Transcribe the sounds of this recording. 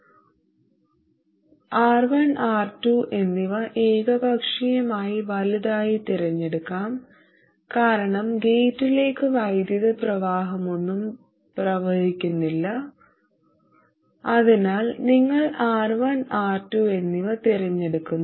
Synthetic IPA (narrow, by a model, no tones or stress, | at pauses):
aːrʋanaːrtuʔe̞nːiʋɐʔe̞ːɡɐbʱɐkʂijɐmaːjiʋɐlɐðaːjit̪iɾɐɲːe̞ɽukːaːm | kaːɾɐɳɐmɡe̞jtːile̞ːkːɨʋɐjd̪jɐðɐprɐʋaːɦɐmunːum | prɐʋɐhikʲːunːilːɐ | ɐðinaːlniŋːɐɭaːrʋanaːrtːue̞nːiʋɐt̪iɾɐɲːe̞ɽukːunːɐ